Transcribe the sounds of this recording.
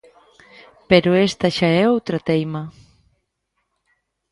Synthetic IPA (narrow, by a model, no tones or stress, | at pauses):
peɾʊest̪aʃaɛowt̪ɾat̪ejmɐ